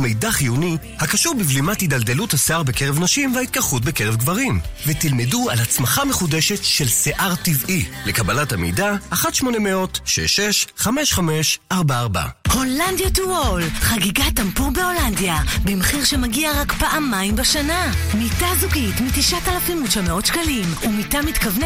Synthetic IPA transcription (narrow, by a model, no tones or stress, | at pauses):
mejdaχiunithakaʃuʁbivlimathidalde̞luthaseaʁbekeʁevnaʃimvehait̪̚kaχut̚beke̞ʁevɡvaʁimvetilme̞dua̰lhat͡smaχameχude̞ʃe̞tʃelseʔaʁtivile̞kabalathamejdaːχatʃmo̞ne̞meo̞tʃḛʃeʃχame̞ʃχame̞ʃaʁbaːʁba̰ho̞landjatuolχaɡiɡatampubeo̞landjabimχiʁʃemaɡiaʁakpaʔamːaimbaʃanamitazuɡitmitiʃatalafimuʃameo̞tʃkalimumitamitkavn